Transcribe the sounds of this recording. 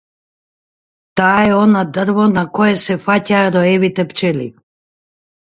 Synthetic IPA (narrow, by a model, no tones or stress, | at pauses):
t̪aːɛonad̪r̩vonakɔjɛsɛfacaɾɔɛvit̪ɛpt͡ʃɛlḭ